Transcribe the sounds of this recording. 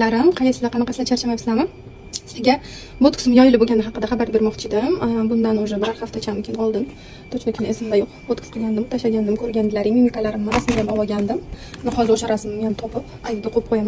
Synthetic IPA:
laɾɪmqʰɑjasɪzd̪aqʰɑnɑqɑslat͡ʃʰaɾt͡ʃʰamajsɪlanɪ | sɪɡʲa | bot̪kʰʊ̥sɪmjɒjɪlɪboɡʲanɪhɑqɨd̪aχɑbaɾbe̞ɾmɒqt͡ʃʰɪd̪ɪmbʊnd̪anoʒɛbɪɾaɾχaft̪ʰat͡ʃʰamɪkʰʲɪnɒlˠd̪ɪm | t̪ʰot͡ʃʰnakʰɪnɪesɪmd̪ajoqbot̪kʰʊ̥sqʰɨɡʲand̪ɪmt̪ʰaʃaɡʲand̪ɪmkʰɵɾɡʲand̪ɪlaɾɪmimikalaɾɪmːaɾasɪɪɡ̪ʲanavɒɡʲand̪ɪmnɪχɒzɪɾoʃaɾasɪmɪmjant̪ʰɒpɪpajɡʲɪd̪ɪqʰop̚qʰojam

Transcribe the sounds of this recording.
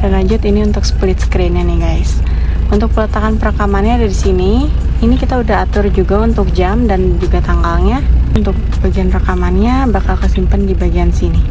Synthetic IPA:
ənad͡ʒʊt̪iniunt̪ʊksə̥plɪt̪sə̥kɾɛnjaniɡajs | unt̪ʊk̚pələt̪akanpəɾakamanɲadaɾisini | inikit̪audaɦat̪ʊrd͡ʒuɡaunt̪ʊk̚d͡ʒamdand͡ʒuɡat̪aŋɡalɲaunt̪ʊk̚baɡianrakamanɲabakalkəsimpəndibaɡiansini

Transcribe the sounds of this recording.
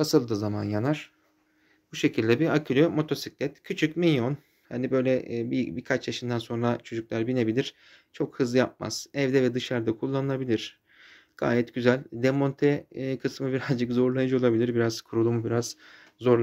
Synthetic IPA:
asɯlˠd̪ɯzama̰njanaɾ̥ | b̥uʃe̞cʰilʲd̪ɛbiɾacʰylʲømo̞t̪ʰo̞siclʲɛt̪cʰyt͡ʃʰycmilʲjo̞n | ha̰nibø̞jlʲɛbibiɾkʰat͡ʃjaʃɯnd̪anso̞nɾat͡ʃʰo̞d͡ʒuklʲˠæɾbine̞bilʲiɾ̥ | t͡ʃʰo̞khɯzˠɯjap̚ma̰z̥ɛvd̪ɛvɛd̪ɯʃaɾd̪akʰulˠːanɯlˠabilʲiɾ̥ | ɡ̥a̰ːjɛt̪ɟyzælʲd̪emo̞nt̪ʰɛkʰɯsmɯbiɾazd͡ʒɯkzo̞ɾlˠajad͡ʒɯo̞lˠabilʲiɾbiɾazkʰuɾulˠumubiɾaz | zo̞ɾ

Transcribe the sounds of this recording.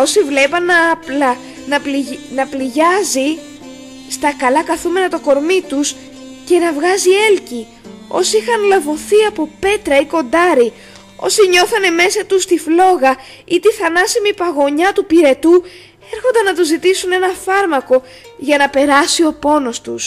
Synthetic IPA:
o̞sivle̞pɐnɐplɐ | nɐlnɐpliʝɐzi | st̪ɐkɐlɐkɐθume̞nɐt̪o̞ko̞ɾmit̪us | ce̞nɐvɣɐzie̞lci | o̞̰siixɐnlɐvo̞θiɐpo̞pe̞t̪ɾɐiko̞nd̪ɐɾi | o̞̰siɲo̞θɐne̞me̞sɐt̪ust̪iflo̞ɣɐ | it̪iθɐnɐsimipɐɣo̞ɲɐt̪upiɾe̞t̪u | e̞ɾxo̞nd̪ɐnɐt̪uzit̪isune̞nɐfɐɾmɐko̞ | ʝɐnɐpe̞ɾɐsio̞po̞no̞st̪us

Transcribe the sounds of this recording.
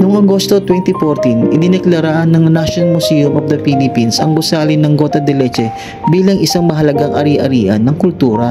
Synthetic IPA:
noŋɐɡo̞st̪o̞t̪wɛnt̪ifoɾt̪inʔɪnɪnɛklɐɾaʔɐnːɐŋnaʃonɐnmʊsijʊmʔofd̪ɐpilɪpinsɐ̰ŋbʊsaːlɪnɐŋɡo̞ːt̪ɐd̪ɛlɛt͡ʃɛ | biːlɐŋʔɪsaŋmɐɦɐlɐɡaŋʔɐ̰ɾiʔɐɾiːʔɐnːɐŋkʊlt̪uːɾɐ

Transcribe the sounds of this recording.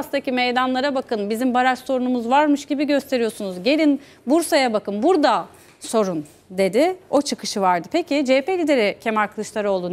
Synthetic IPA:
ast̪acimejd̪anlˠaɾabakɯnbizimbaɾaɾso̞ɾunumuzvaɾmɯʃɟibiɟø̞st̪ʰe̞ɾijo̞sunuzɟe̞lʲin | buɾsajabakɯnbuɾd̪a | so̞ɾun | d̪e̞d̪ɪo̞t͡ʃʰɯkʰɯʃɯvaɾd̪ɯpʰecʰid͡ʒepelʲid̪e̞ɾicʰemaɾkʰɯlˠɯʃlˠaɾɯo̞lˠun

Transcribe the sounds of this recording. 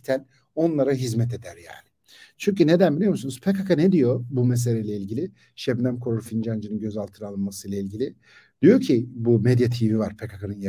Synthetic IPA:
t̪ʰæn | onlˠaɾaɦizmɛt̪ʰe̞d̪æɾja̰ːnɪ̥ | t͡ʃʰyɲcyne̞d̪ænbilʲijomusunuzpʰekakʰaned̪ijo̞bumes̬elʲejlʲeilʲɟilʲɪ | ʃɛbnʲæmkʰoɾuɾfind͡ʒand͡ʒɯnɯnɟø̞zalˠt̪ʰɯɾɯalˠɯnmasɯjlˠailʲɟilʲɪ | d̪̥ijo̞ɾcʰibumed̪jat̪ʰivivaɾ̥pʰekakʰanɯnj

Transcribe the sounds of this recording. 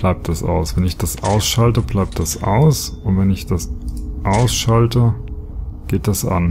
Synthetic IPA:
b̥laɪp̚t̚d̥asʔa̰ʊsv̥ɛnɪçd̥asʔaʊsʃaltəblaɪp̚t̚d̥asʔa̰ʊsʊntvɛnɪçd̥asʔaʊsʃaltə | ɡ̥eːt̚d̥asʔa̰n

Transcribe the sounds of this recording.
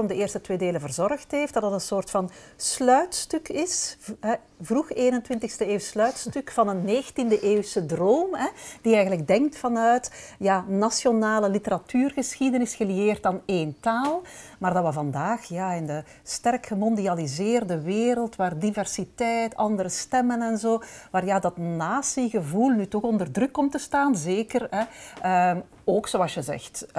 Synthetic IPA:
ɔmdəeːrstətweːdeːləvərzɔrxtɦeːftd̥ɑdɑtənsoːrtfɑnslœɥtstʏkʰɪsɦɛ | vruxeːnəntwɪntəxstəeːwslœɥtstʏkfɑnənːeːxntindəʔeːwsədroːmɦɛd̥iɛjɣənləɡ̚dɛŋk̚tfɑnœɥtjaːnasjonaːləlitəɾatyːrɣəsxidənɪsxəlieːrtaːneːntaːlˠmaːrdɑtʋɑvɑndaːxjaːɪndə | stɛrkxəmɔndializɪːrdəʋeːɾəlˠtʋaːrdivɛrsitɛjtɑndəɾəstɛmənɛnzoːʋaːrjaːdɑtnaːsiɣəvulˠnytɔxɔndərdrʏkːɔmtəstaːnzeːkərɦɛəm | oːksoːɑlˠsjəzɛ̰xt

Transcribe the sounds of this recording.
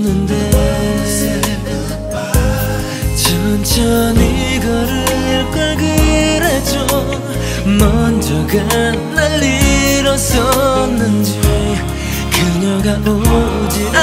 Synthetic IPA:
nɯnde | t͡ɕʌnt͡ɕʰʌniɡʌɾɯkʌɭɡiɾed͡ʑo | mʌnd͡ʑʌɡa | nalːiɾʌsʌnːɯnd͡ʑi | kɯɲʌɡaʔo | d͡ʑina

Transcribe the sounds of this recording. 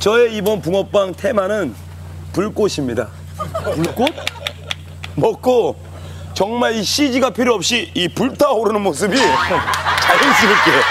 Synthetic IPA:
t͡ɕʌe̞ibʌnpuŋʌp͈aŋtʰe̞manɯn | puɭk͈oɕʰimɲida̰ | puɭk͈ot̚ | mʌk͈̚o | t͡ɕʌŋmaɭiɕʰid͡ʑiɡapʰiɾiʌp̚ɕ͈iipuɭtʰaoɾɯnɯnmos̬ʰɯbi | t͡ɕajɯnsʰiɾʌk͈ejo

